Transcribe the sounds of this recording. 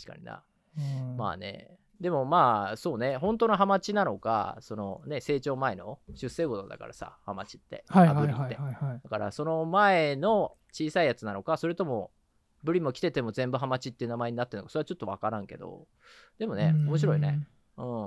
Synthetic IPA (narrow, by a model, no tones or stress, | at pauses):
t̪aɕi̥ka̰ɲ̟ḭna̰ | ma̰ːne̞̰ | d̪e̞mo̞maːso̞ːne̞ɦõ̞nt̪onoɦamat͡ɕinano̞ka̰so̞no̞ne̞se̞ːt͡ɕo̞ːmae̞no̞̰ɕɨsːe̞ːɡo̞d̪od̪a̰ka̰ɾasa̰hama̰t͡ɕi̥t̪ːe̞̰aabɯ̟iːed̪̥akaɾa̰so̞no̞mae̞no̞t͡ɕiːsaijat͡sɨnano̞kasoɾe̞t̪o̞mo̞ | bɯ̟ɾʲimo̞kʲi̥t̪e̞t̪e̞mo̞zẽ̞mbɯ̟ɦamat͡ɕit̪ːeɯ̟namae̞ɲ̟inat̪ːe̞nokasoɾeat͡ɕo̞t̪ːo̞βakaɾãŋke̞̰d̪o̞̰ | d̪̥e̞mo̞neo̞mo̞ɕ̬iɾo̞ine̞ | ɯ̟̃ːɴ